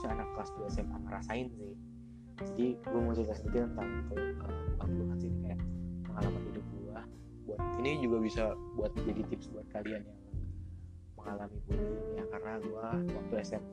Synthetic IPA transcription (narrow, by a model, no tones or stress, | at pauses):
aanak̚t̪laskuɛsɛmpaŋəɾa̰saɪnsɪh | d͡ʒadiɡuamusit̪asənit̪it̪ənt̪aŋt̪əəmbaŋluŋasinikajaməŋalamanidʊp̚ɡuah | buat̪̚inid͡ʒuɡabisabuat̪̚d͡ʒadit̪ɪpsbuat̪̚kalianjaŋ | məŋalamibudujakarənaɡuawak̚t̪uɛsɛm